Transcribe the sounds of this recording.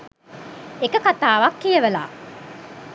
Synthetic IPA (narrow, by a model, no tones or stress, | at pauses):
ekəkat̪aːʋɐkːijɐʋɐla̰ː